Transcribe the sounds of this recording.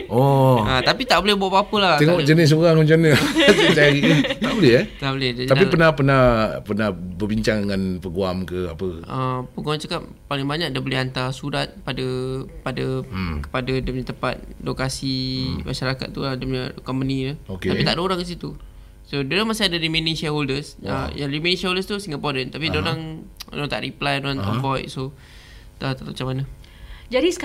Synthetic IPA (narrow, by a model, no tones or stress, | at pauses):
ɔat̪apit̪aʔbolɛhbuaʔpapəlaht̪eŋɔʔd͡ʒənɪs̬oɾaŋoɲd͡ʒanətt͡ʃaɾiəabolɛt̪aʔbolɛdaaapipənahpənahpərnahbərbiɲt͡ʃaŋdəŋanpəɡuamkəa̰pəəpəɡuamt͡ʃakap̚palɪŋbaɲak̚dabolɛɦant̪asuɾat̪̚padəpadəkə̥padadapɲat̪əpa̰t̪̚dokasimʔa̰ʃaɾaka̰t̪̚t̪ːuadamɲakɔmpənilaok̪apit̪aʔdəoɾaŋkəs̬it̪u | sodoɾaŋmasiadaɾimẽnĩŋʃɛholdəsa̰ja̰ŋrimeniŋʃɛholdəst̪usĩŋɡəpɔdənt̪apidaoɾaŋo̰ɾant̪aʔɾiplajdoant̪a̰ʔvɔjt̪̚so | t̪at̪aʔmat͡ʃamana | d͡ʒadisə̥k